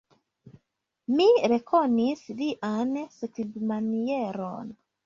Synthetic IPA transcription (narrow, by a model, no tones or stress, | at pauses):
miɾɛkʰɔnisdiʔansikibmaniɛɾɔ̰n